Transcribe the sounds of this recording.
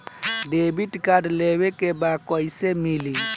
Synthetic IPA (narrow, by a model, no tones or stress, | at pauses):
debitkadlewekebakɔisemili